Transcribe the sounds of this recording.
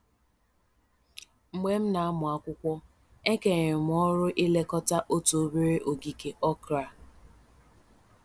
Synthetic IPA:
m̩˨me˦m̩˦na˨a˦mʊ˨a˦kʷʊ˦kʷɔ˦ | e˦ke˨ɣɪ˨m̩˨ɔ˦ɾʊ˦ʔi˦le˦kɔ˦ta˦ʔo˦to˨o˦be˦ɾe˦ʔo˨ɡi˨ke˨ʔɔ˦kɾa˨

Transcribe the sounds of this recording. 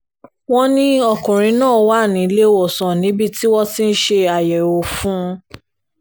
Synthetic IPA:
w̃ɔ̃˧nĩ˧ɔ˧˨kũ˨ɾ̃ĩ˨˧˦nãː˦˨˦wa˦˨nĩ˨˦˧le˦wɔ˦˨sɔ̃˨nĩ˨˦bi˦˨ti˦wɔ˦ti˦n̩˦ʃe˧a˨jɛ˨o˨fũ˦˧

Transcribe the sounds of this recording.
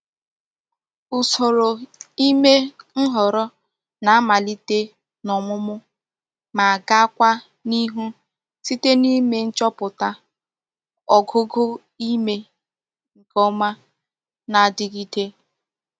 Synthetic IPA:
ʊ˨so˨ɾo˨i˦me˦ŋ̩˦ɦɔ˨ɾɔ˦ | na˨a˦ma˨li˦te˦ | nɔ˨mʊ˦mʊ˦ | ma˨a˨ɡa˦kʷa˦ | ni˦ɦu˦ | si˦te˦ni˦me˦n̩˦t͡ʃɔ˦pʊ˨ta˦ | ɔ˨ɡʊ˦ɡʊ˦ | i˦me˦ | ŋ̩˨kɔ˦ma˦ | na˨dɪ˦ɣi˦te˦

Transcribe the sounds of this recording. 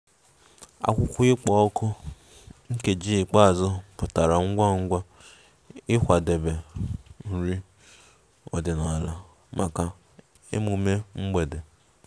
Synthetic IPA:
a̰˨kʷʊ˦kʷʊ˦ɪ˦k͡pɔ˨o˦kʊ˦ | ŋ̩˦ke˨d͡ʒi˦ɪ˨k͡pa˦a˨zɔ˦pʊ˨ta˨ɾa˨ŋ̩˦ɡʷa˦ŋ̩˦ɡʷa˦ | ɪ˦kʷa˨de˨be˨n̩˨ɾi˦ | ɔ̰˨dɪ˨na˨la˦ | mʔa˨ka˨ | ḛ˦mu˨me˦ŋ͡m̩˦ɡ͡be˨de˨

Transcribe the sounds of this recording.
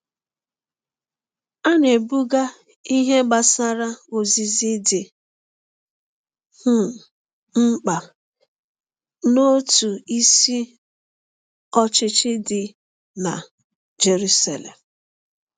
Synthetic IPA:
a˦ne˨bu˦ɡa˦ | i˦ɦe˦ɡ͡ba˨sa˦ɾa˦o˨zi˨zɪ˦dɪ˨ | hʊ˦˨ | ŋ͡m̩˦k͡pa˨ | no˦tu˨i˦si˦ | ɔ˦t͡ʃɪ˦t͡ʃɪ˦dɪ˨ | na̰˨ | d͡ʒe˨ɾu˦sa̰˨lḛ˨m̩˨

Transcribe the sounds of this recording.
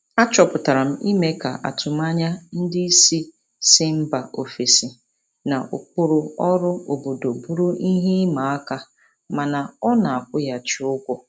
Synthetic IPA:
a˦t͡ʃɔ˨pʊ˨ta˨ɾa˨m̩˦i˦me˦ka̰˨ʔa̰˨tʊ˨m˦a˦ɲa˦n̩˦dɪ˦si˦ | sɪ˦m̩˦ba˨ʔo˨fi˨si˨ | na˨ʔʊ̰˨kʷʊ˦ɾʊ˦ɔ˦ɾʊ˦o˨bo˨do˨bu˦ɾu˦i˦ɦi˦ma˨a˦ka˦ | ma˨na˨ɔ˦na˨a˨kʷʊ˦ja˨t͡ʃɪ˦ʊ˦kʷʊ˦

